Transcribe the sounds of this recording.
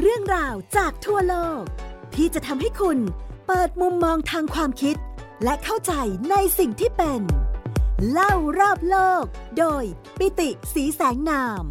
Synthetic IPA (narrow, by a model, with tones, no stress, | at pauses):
ɾɯ˥˩əŋɾaː˧wt͡ɕaː˨˩k̚t̪ʰu˥˩əloː˥˩k̚t̪ʰiː˥˩t͡ɕa˨˩ʔt̪ʰa˧mɦa˥˩jkʰu˧npɤː˨˩t̪̚mu˧mːɔː˧ŋt̪ʰaː˧ŋkʰwaː˧mkʰi˦˥t̪̚ | lɛ˦˥ʔkʰa˥˩wt͡ɕa˧jna˧jsi˨˩ŋt̪ʰiː˥˩pe˧n | la˥˩wɾɔː˥˩p̚loː˥˩k̚doː˧j | pi˧˥t̪i˨˩siː˩˦sɛː˩˦ŋnaː˧m